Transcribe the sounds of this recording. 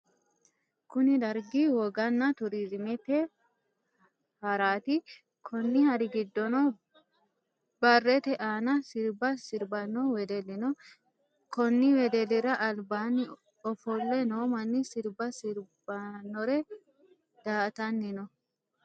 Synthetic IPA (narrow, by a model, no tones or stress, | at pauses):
kʊnɪd̪ɐɾɡiwɔɡɐnːɐt̪ʊɾiɾɪmɛt̪ɛ | hɐɾaːt̪ɪ | kʰɔnːɪhɐɾɪɡɪd̪ːɔnɔ | bɐrːɛt̪ɛʔaːnɐsɪɾbɐsɪɾbɐnːɔwɛd̪ɛlɪnɔ | kɔnːɪwɛd̪ɛlɪɾɐʔːlbaːnːɪ | ɔfɔlːɛnoːmɐnːɪsɪɾbɐsɪɾbɐnːɔɾɛ | d̪̥aːt̪ɐnːɪnɔ